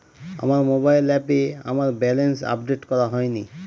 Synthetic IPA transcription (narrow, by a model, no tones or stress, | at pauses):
a̰maɾmobajlɛpea̰maɾbɛlensa̰pɖeʈkɔɾaɦɔjni